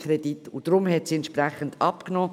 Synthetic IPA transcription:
kʰɾed̥itʊd̥ɾʊmɦɛtsiɛntʃprɛχəndɑpknɔː

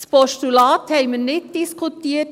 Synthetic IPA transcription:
spɔʃtylɑːt̪hɛɪmənɪt̚d̥ɪskʰʊt̪iːə

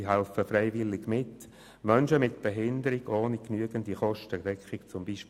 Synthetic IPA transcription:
ɦɛlfəfɾɛɪvɪlːɪɡmɪt | mœnʃəmɪtb̥ɛɦɪndəɾɪɡoːniknyəɡəndiχɔʃtədɛkχɪkt͡sʊmbiːʃp

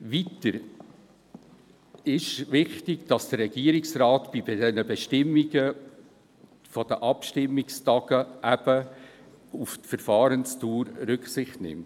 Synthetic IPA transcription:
ʋitəɾ | ɪʃʋɪχtɪɡ̥d̥ɑsd̥ərːɛɡ̥iːəɾɪksrɑːtb̥ibdɛnəbɛʃtɪmːiɡə | fɔd̥əʔɑpʃtɪmːikstɑɡ̥əʔæb̥ə | uftfəɾfɑːɾənstuːɾɾʏksɪχtnɪ̰mt

